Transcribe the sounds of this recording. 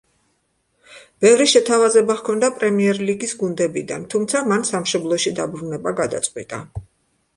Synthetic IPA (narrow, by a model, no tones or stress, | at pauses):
b̥ɛvɾiʃɛt̪ʰavazɛbaχkʰɔnd̪apʼɾɛmiɛɾliɡisɡund̪ɛbid̪a̰nt̪ʰumt̪sʰamansamʃɔblˠɔʃid̪abɾunɛbaɡad̪a̰t̪sʼqʼwḭt̪ʼa̰